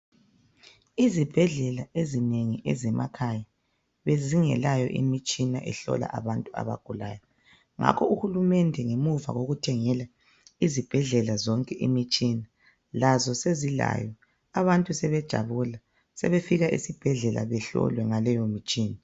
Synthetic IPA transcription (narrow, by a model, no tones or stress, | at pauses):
izib̥ʱɛɮɛlaezineŋiʔɛzɛma̰kʰaja | βeziŋɛ̰lajɔ̰ʔḭmit͡ʃʼina̰ʔɛɬɔ̰la̰ʔaβantʼua̰βa̰ɡ̥ʱulaːjɔ | ŋa̰kʰɔuxulumɛndʱɛŋemuva̰ɣoɣutʰɛŋɛla | izib̥ʱɛɮɛlazɔŋkʼɛʔḭmit͡ʃʼina | lazɔsezila̰jɔ | aβantʼusɛβɛd̥ʒ̥ʱa̰βula | sɛ̰βefiɣaʔisib̥ʱɛɮɛla̰βɛɬɔ̰lwɛŋalɛjomit͡ʃʼiːna